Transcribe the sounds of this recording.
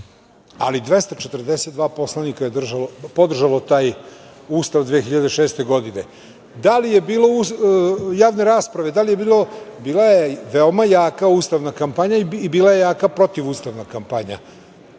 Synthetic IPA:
a̰lid̪ʋe̞st̪at͡ʃet̪rd̪e̞set̪̚d̪ʋaːpo̞slanikajed̪r̩ʒalopo̞d̪r̩ʒalo̞t̪aːj | uːst̪aʋd̪ʋeːxiʎad̪eʃe̞ːst̪e̞ɡo̞d̪ine̞ | d̪alije̞biːlo̞u | jaːʋne̞ɾaːspɾaʋe̞d̪alije̞biːlo̞biːlajeʋeo̞majaːkauːst̪aʋnakampaɲaiibiːlaje̞jaːkapɾo̞t̪iʋuːst̪aʋnakampaɲa̰

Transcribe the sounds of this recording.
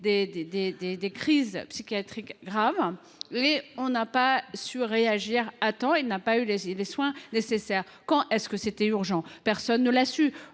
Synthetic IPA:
d̪ed̪ed̪ed̪ed̪ekχizpsikʲjat̪χikɡʁav | meɔ̃napasyʁeaʒiʁat̪ɑ̃elnapayleleswɛ̃nesesɛʁ | kɑ̃ʔɛskəset̪ɛyʁʒɑ̃pɛʁsɔnːəlasy

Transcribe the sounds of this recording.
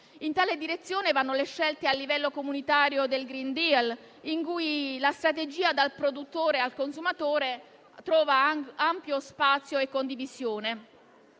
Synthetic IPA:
int̪aːled̪iɾet̪sːjoːnevanːoleʃːɛlt̪ealːivɛlːokomunit̪aːɾjod̪elɡɾind̪ial | iŋkujlast̪ɾat̪ed͡ʒiːad̪alpɾod̪ut̪ːoːɾealkonsumat̪oːɾe | t̪ɾɔːvaampjospat̪sːjoekːond̪ivisjoːne

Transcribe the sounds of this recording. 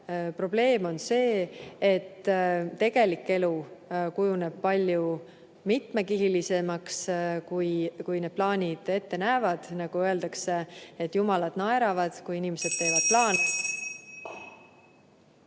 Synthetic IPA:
pro̞b̥le̞ːmo̞nse̞ːet̪ːt̪e̞ɡ̥e̞likːˑe̞lukujune̞b̥̚pɑlʲju | mit̪mekihilisemɑkskujkujne̞d̪̥plɑːnʲid̪̥e̞t̪ːe̞næeːvɑd̪̥nɑɡ̥uɤ̞e̞ld̪ɑkseet̪ːˑjumɑlɑd̪̥nɑeɾɑvɑd̪̥kujinimese̞d̪̥̚t̪e̞ːvɑd̪̚plɑːn

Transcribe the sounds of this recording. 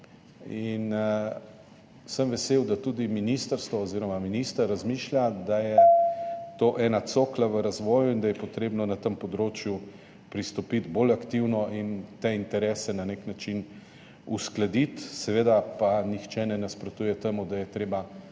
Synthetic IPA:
in | səmʋɛseːwd̪at̪ud̪iminist̪əɾst̪ʋɔːziːɾɔmaminist̪aɾazmiːʃlʲjad̪ajɛ | t̪oːʔɛːnat̪soːklaʋəɾazʋɔːjuind̪ajɛpɔt̪ɾeːbnɔnat̪əmpɔd̪ɾoːt͡ʃju | pɾist̪ɔpid̪bolakt̪iwnɔint̪eint̪ɛɾɛːsɛnaneknat͡ʃin | usklad̪it̪sɛʋeːd̪apanixt͡ʃɛnɛnaspɾɔt̪uːjɛt̪eːmud̪ajɛt̪ɾeːba

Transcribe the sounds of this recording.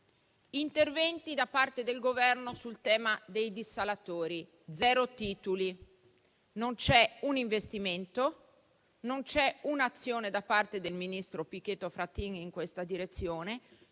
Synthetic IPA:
int̪ervɛnt̪id̪apːart̪ed̪elɡovɛrnosult̪ɛːmad̪ejd̪isːalat̪oːɾi | d̪zɛːɾot̪iːt̪uli | nont͡ʃɛuniɱvest̪iment̪o | nont͡ʃɛunat̪sːjoːned̪apːart̪ed̪elminist̪ɾopik̟ːet̪ːofɾat̪iŋiŋkwest̪ad̪iɾet̪sːjoːne

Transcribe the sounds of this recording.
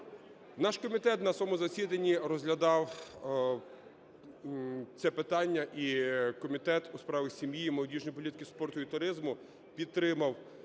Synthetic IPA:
nɑʃkɔmʲit̪ɛt̪nɐsɔmʊzɐsʲid̪ɐnʲːiɾɔzɦlʲɐd̪ɑw | t͡s̪ʲɛpɪt̪ɑnʲːɐʔikɔmʲit̪ɛt̪uspɾɑʋʲisʲimjiːmɐlˠɔdʲiʒnɔjp̬ɔlʲit̪ɪ̥kʲɪspɔrt̪ʊit̪ʊɾɪzmʊ | pʲid̪t̪ːɾɪmɐw

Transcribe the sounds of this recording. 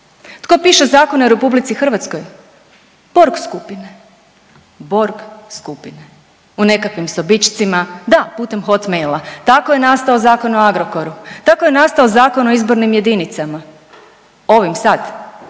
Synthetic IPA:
t̪ko̞piːʃezaːko̞noɾe̞publit̪sixr̩ʋat̪sko̞j | b̥o̞ɾɡskupine | bo̞ɾɡskupine | une̞kakʋimsobit͡ʃt̪simad̪aput̪e̞mxo̞t̪mejlˠat̪akoje̞nast̪aozaːko̞noaɡɾo̞ko̞ɾut̪akoje̞nast̪aozaːkono̞izbo̞ɾnimje̞d̪init̪sama | o̞ʋimsad̪

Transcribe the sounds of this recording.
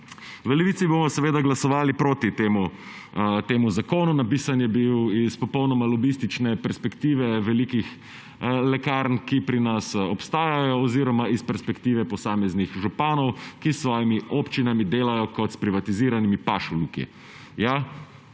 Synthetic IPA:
ʋəlɛʋit̪sibomɔsɛʋeːd̪aɡlasɔʋaːlipɾoːt̪it̪eːmu | t̪eːmuzakoːnunapiːsanjɛbiwispɔpɔwnɔmalɔbist̪it͡ʃnɛpɛɾspɛkt̪iːʋɛʋɛlikix | lɛkaɾnkipɾinasɔpst̪aːjajɔːziːɾɔmaispɛɾspɛkt̪iːʋɛpɔsaːmɛznixʒupaːnɔwkisːʋɔːjimiʔopt͡ʃinamid̪eːlajɔkɔt̪spɾiʋat̪iziːɾanimipaʃulukḭ | ja

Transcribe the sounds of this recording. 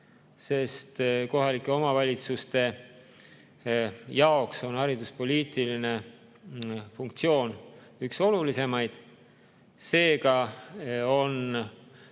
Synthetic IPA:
se̞st̪ko̞ɦɑlikːˑe̞o̞mɑvɑlʲit̪sust̪e̞ | jɑo̞kso̞nɑɾid̪̥uspo̞lʲiːt̪ˑiline̞ | fuŋkt̪sio̞ːnykso̞lulise̞mɑjd̪̥ | se̞ːɡɑ | o̞n

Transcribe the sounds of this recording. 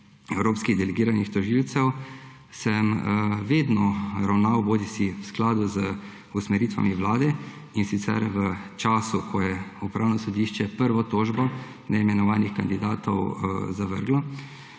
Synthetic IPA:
ɛwɾoːpskiɣd̪ɛlɛɡiːɾanixt̪ɔʒilt̪sɛw | sɛmʋeːd̪nɔɾawnawboːd̪isiwsklaːd̪uzə | usmɛɾiːt̪ʋa̰miʋlaːd̪ɛ | insit̪sɛ̰ɾʋət͡ʃaːsukʰɔjɛupɾaːwnɔsɔd̪iːʃt͡ʃɛpəɾʋɔt̪oːʒbɔ | nɛimɛnɔʋaːnixkand̪id̪aːt̪ɔ̰wzaʋə̰ɾɡlɔ

